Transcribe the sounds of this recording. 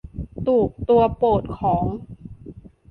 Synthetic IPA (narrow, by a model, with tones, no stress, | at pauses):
t̪uː˨˩k̚t̪u˧ɐpoː˨˩t̪̚kʰɔː˩˦ŋ